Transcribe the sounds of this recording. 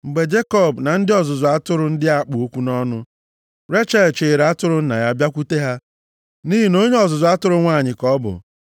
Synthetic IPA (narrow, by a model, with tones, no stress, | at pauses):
ŋ͡m̩˨ɡ͡be˨d͡ʒe˦kɔ˦˨bna˨n̩˦dɪ˦ɔ˨zʊ˨zʊ˨a˦tʊ˦ɾʊ˦n̩˦dɪ˦a˦k͡pʊ˨o˦kʷu˦nɔ˦nʊ˦ | ɾe˦t͡ʃa˦˨t͡ʃe˨ɾa˦tʊ˦ɾʊ˦n̩˦na˨ja˦bja˦kʷu˦te˦ɦa˦ | ni˦ɦi˨no˦ɲe˦ɔ˨zʊ˨zʊ˨a˦tʊ˦ɾʊ˦ŋʷaː˦˨ɲɪ˨kɔ˦bʊ̰˨